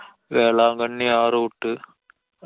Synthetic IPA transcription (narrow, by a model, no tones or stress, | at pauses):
ʋeːlaːŋɡɐɳːiaːɾuʊʈːɯ